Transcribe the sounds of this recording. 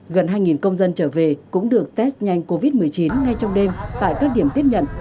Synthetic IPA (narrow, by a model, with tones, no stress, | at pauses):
ɣə˨˩nhɦaː˧jŋi˨˩nkə˧wŋ͡mzə˧nt͡ɕəː˧˩ve˨˩kʊ̰˧˥ŋ͡mɗɨ˨˩ək̚t̪ɛ˦˥st̚ɲa˧jŋ̟ko˧vi˦˥t̚mɨ˨˩əjt͡ɕi˨˦nŋa˧jt͡ɕɔ˧wŋ͡mɗe˧mt̪a̰ː˧˨jkaː˦˥k̚ɗi˧˩əmt̪i˦˥əp̚ɲə̰˧˨n